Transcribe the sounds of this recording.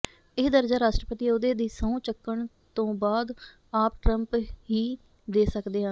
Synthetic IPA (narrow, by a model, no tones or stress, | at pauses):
ɪːd̪əɾd͡ʒaːɾaːʃʈɾəpət̪iːʊd̪eːd̪iːsəũːt͡ʃəkːəɳ | t̪õːbaːd̪ | aːpʈɾəmpɦiː | d̪eːsəkd̪eːãː